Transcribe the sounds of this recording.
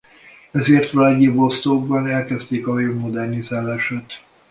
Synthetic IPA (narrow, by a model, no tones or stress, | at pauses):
ɛzeːrt̪ʋaɟibost̪oɡ̚bɒnɛlkɛzt̪eːkɒøvmod̪ɛrnizaːlaːʃat̪